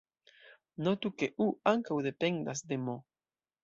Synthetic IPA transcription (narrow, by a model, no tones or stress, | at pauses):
not̪ukeʔuaŋkawðepeŋd̪asd̪emo